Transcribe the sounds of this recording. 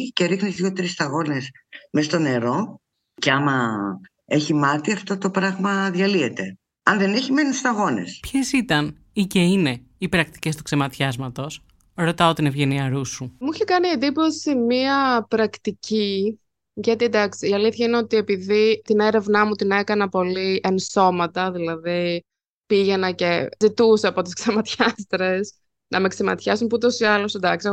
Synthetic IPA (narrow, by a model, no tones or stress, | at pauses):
ceɾixnit̪ðʝot̪ɾist̪ɐɣo̞nesmest̪o̞ne̞ɾo̞ | ce̞ɐmɐ | eçimɐt̪iɐft̪o̞t̪o̞pɾɐɣmɐðʝɐlie̞t̪e̞ | ɐnðe̞neçime̞nust̪ɐɣo̞ne̞̰spçesit̪ɐn | iceine̞ | ipɾɐk̚t̪i̥ce̞st̪u̥kse̞mɐt̪çɐzmɐt̪o̞s | ɾo̞t̪ɐot̪ine̞vʝe̞niɐɾusumuiçekɐniend̪ipo̞simiɐpɾɐkt̪ici | ʝɐt̪id̪ɐksiːɐliθçɐineot̪ie̞piðit̪ine̞ɾe̞vnɐmut̪ine̞kɐnɐpo̞lienso̞mɐt̪ɐðilɐði | piʝe̞nɐce̞zit̪useɐpo̞t̪isksemɐt̪çɐst̪ɾe̞s | nʔɐme̞ksemɐ̰t̪çɐsunput̪osiɐlosd̪ɐksi